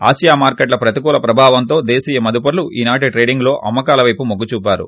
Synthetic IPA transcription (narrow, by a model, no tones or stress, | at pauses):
a̰ːsijaːmaːɾkeʈ̬lɐpɾɐt̪ikuːlɐpɾɐbʱaːʋɐnt̪o̞ːd̪eːsiːjɐmɐd̪upɐɾluʔiːnaːʈ̬iʈɾeːɖiŋɡlo̞ːʔʔɐmːɐkaːlɐʋɐjpumoɡːut͡ʃuːpaːɾṵ